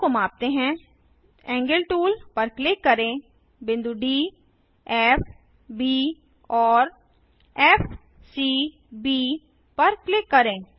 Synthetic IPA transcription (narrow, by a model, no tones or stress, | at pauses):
omãːp̚t̪eɦɛ̃ː | ɛ̃ːŋɡəlʈuːlpəɾklɪkːəɾẽː | bɪ̃nd̪uːɖiː | ɛːp | biː | ɔːɾ | ɛːf | siː | biː | pəɾklɪkːəɾẽː